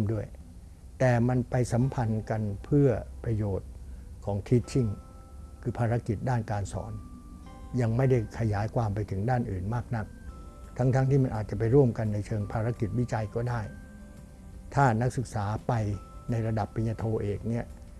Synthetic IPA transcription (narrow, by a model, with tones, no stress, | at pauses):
mdu˥˩əj | t̪ɛː˨˩ma˧npa˧jsa˩˦mpʰa˧nka˧npʰɯ˥˩ɐpɾa˧joː˨˩t̪̚kʰɔː˩˦ŋt̪ʰiː˦˥t͡ɕʰi˥˩ŋ | kʰɯː˧pʰaː˧ɾa˦˥ki˨˩t̪̚daː˥˩nkaː˧nsɔ̰ː˩˦n | ja˧ŋma˥˩jda˥˩jkʰa˧jaː˨˩˦jkʰwaː˧mpa˧jt̪ʰɯ˩˦ŋdaː˥˩nʔɯː˨˩nmaː˥˩k̚na˦˥k̚ | t̪ʰa˦˥ŋt̪ʰa˦˥ŋt̪ʰiː˥˩ma˧nʔaː˨˩t͡ɕa˨˩pa˧jɾu˥˩əmka˧nːa˧jt͡ɕʰɤː˧ŋpʰaː˧ɾa˦˥ki˨˩t̪̚wi˦˥˩t͡ɕa˧jkɔː˥˩daː˥˩j | t̪ʰaː˥˩na˦˥k̚sɯ˨˩k̚saː˩˦pa˧jna˧jɾa˧da˨˩pːi˧njaː˧t̪ʰoː˧ʔeː˨˩k̚ni˥˩ɐ